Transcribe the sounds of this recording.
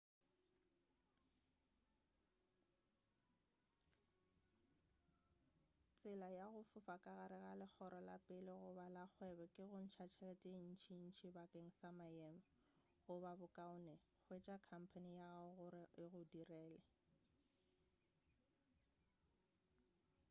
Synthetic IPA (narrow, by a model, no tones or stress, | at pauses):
t͡sʼɪlajaɣʊfʊfakʼaɣaɾɪɣalɪk͡xʰɔɾʔɔla̰pʼɪlɪɣʊbalak͡xʰwɛbɛkʼɪɣʊn̩t͡ʃʰat͡ʃʰɛlɛtʼen̩t͡ʃʰin̩t͡ʃʰibakʼeŋ̩samajɛm̩ | ɣʊbabʊkʼaʊnɛ | k͡xʰwet͡ʃʼakʰam̩pʰanijaɣɣʊɾɪɪɣʊdirɛːlɛ